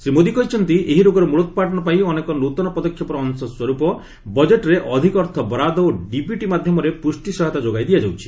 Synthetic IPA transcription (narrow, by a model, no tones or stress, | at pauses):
semod̪ikɔɦit͡ʃʰɔnt̪iʔeɦiɾoɡɔɾɔmuɭɔt̪ɔpaʈɔnɔpaĩɔnekɔnot̪ɔnɔpɔd̪ɔkʰːjɔpɔɾɔːŋsɔswɔɾupɔ | bɔd͡ʒeʈɾeʔɔd̪ʱikɔɾt̪ʰɔbɾad̪ɔoɖipjuʈimad̪ʱjɔmɔɾepusʈisɔɦɔt̪ad͡ʒoɡajd̪ijad͡ʒawt͡ʃʰi̥